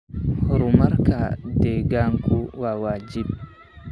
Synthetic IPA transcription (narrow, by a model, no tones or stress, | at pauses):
huɾumaɾkadɛɡaŋkuwawad͡ʒib̚